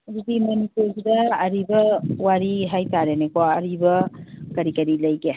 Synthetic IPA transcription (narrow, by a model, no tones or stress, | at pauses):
ɐdudimɐnipuɾsudɐːɾibɐwaɾiɦajtaɾenekɔɐɾibɐkɐɾikɐɾilɐjɡe